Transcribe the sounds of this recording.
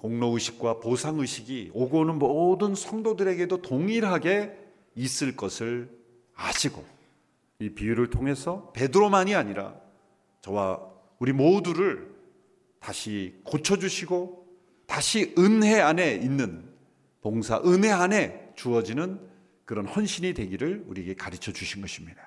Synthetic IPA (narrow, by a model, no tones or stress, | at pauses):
koŋnoɯɕʰi̥k̚k͈waposʰaŋɯɕʰiɡioɡonɯnmodɯnsʰʌŋdodɯɾe̞ɡe̞dotoŋiɾɦaɡe̞ | is͈ɯɭk͈ʌsʰɯɭ | a̰ɕʰiɡo̰ | ipiuɾɯɭtʰoŋɦe̞sʰʌpe̞dɯɾomaɲiaɲiɾa̰ | t͡ɕʌwa̰ | uɾimoduɾɯɭ | taɕʰikot͡ɕʰʌd͡ʑuɕʰiɡo | taɕʰiɯnɦe̞ane̞inːɯn | poŋsʰa̰ʔɯnɦe̞ane̞t͡ɕuʌd͡ʑinɯn | kɯɾʌnɸwʌnɕʰiɲidwe̞ɡiɾɯɭuɾieɡe̞kaɾit͡ɕʰʌd͡ʑuɕʰinɡʌɕʰimɲida